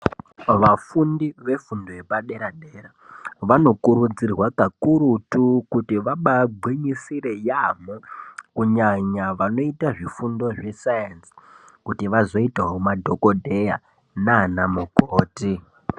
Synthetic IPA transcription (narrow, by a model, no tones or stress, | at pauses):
ʋafundiʋe̞fundoje̞paɗe̞ɾaɗeɾaʋano̞kuɾud͡zirwakakuɾutukutiʋaɓabʱwiɲisiɾe̞jamokuɲaɲaʋano̞itaʐifundo̞ʐe̞sajensi̥ | kutiʋazo̞itaɦomadʱo̞ko̞dʱe̞ja̰ | nanamukoːti